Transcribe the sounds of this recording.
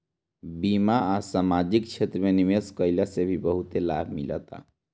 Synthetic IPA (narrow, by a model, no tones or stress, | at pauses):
bimaasamad͡ʒikt͡ʃʰet̪ɾəmenimeskəɪlasebʱibəɦut̪elabʱmilə̰t̪a̰